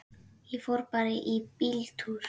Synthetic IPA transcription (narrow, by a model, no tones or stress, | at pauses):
ifoɾpaɾeʔipilt̪ʰuɾ